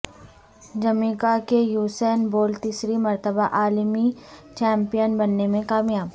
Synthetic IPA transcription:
d͡ʒɐmiːkakejuːsɛːnboːlt̪iːsɾimɐɾt̪əbaʔaːlmit͡ʃɛ̃ːmpijənbɐnːemẽkaːmjaːb

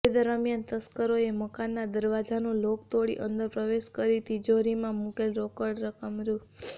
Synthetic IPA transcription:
ed̪əɾəmjant̪əskəɾoeməkanːad̪əɾʋad͡ʒanũlokt̪oɽḭʔənd̪əɾpɾəʋeʃkəɾit̪id͡ʒoɾimãmukelɾokəɽɾəkəmɾu

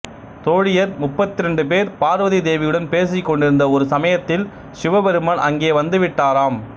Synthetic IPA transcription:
t̪oːɻɪjɐɾmʊpːɐt̪ːɪɾɛɳɖɯp̬eːɾpaːɾʋɐðid̪eːʋɪjɯɽɐnpeːs̬ɪkːɔɳɖɪɾɯnd̪ɐɔɾɯsɐmɐjɐt̪ːɪl | sɪʋɐbɛɾɯmaːɳʔɐ̰ŋɡeːʋɐnd̪ɯʋɪʈːaːɾaːm

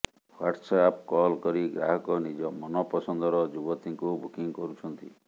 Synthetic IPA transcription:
waɾʈsap̚kɔlkɔɾiɡɾa̰ɦɔkɔnid͡ʒɔmɔnɔpɔsɔnd̪ɔɾɔd͡ʒubɔt̪iŋkubukiŋkɔɾut͡ʃʰɔnt̪i

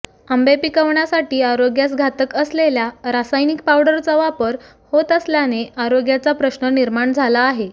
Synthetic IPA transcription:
əmbepikəʋɳjasaʈiːaɾoɡjasɡʱat̪əkəsleljaɾasajnik̚pawɽəɾt͡səʋapəɾ | hot̪əsljaneaɾoɡjat͡sapɾəɕɳəniɾmaɳd͡zʱalaːɦe

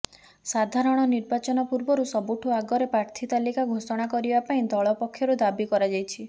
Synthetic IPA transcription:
sad̪ʱaɾɔɽ̃ɔniɾbat͡ʃɔnɔpuɾbɔɾusɔbuʈʰuaɡɔɾepɾaɾt̪ʰit̪alikaɡʱosɔɽ̃akɔɾibapaĩd̪ʱɔɭɔpɔkʰːjɔɾud̪abikɔɾad͡ʒajt͡ʃʰi

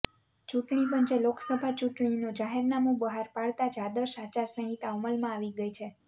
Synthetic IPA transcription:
t͡ʃuʈɳipənt͡ʃeloksəbʱat͡ʃuʈɳinũd͡ʒaɦeɾnamũbəɦaɾpaɭt̪ad͡ʒad̪əʃat͡ʃaɾsə̃ɦit̪auməlmãaʋiɡəjt͡ʃʰe

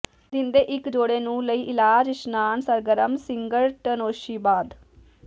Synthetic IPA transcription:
d̪ɪnd̪eːʔɪkd͡ʒoːɽeːnũːləiːʔɪlaːd͡ʒɪʃnaːnsəɾɡəɾəmsɪŋɡəlʈənoːʃiːbaːd̪

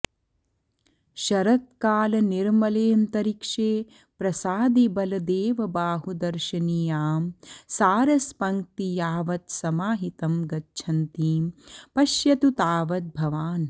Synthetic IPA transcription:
ʃɐɾɐt̪̚kaːlɐniɾmɐleːmt̪ɐɾikʂeː | pɾɐsaːd̪ibɐlɐd̪eːʋɐbaːɦud̪ɐɾʃɐniːjaːmsaːɾɐspɐŋk̚t̪ijaːʋɐt̪sɐmaːɦit̪ɐmɡɐtːʃʰɐnt̪iːmpɐʃjɐt̪ut̪aːʋɐt̪̚bʱɐʋaːn

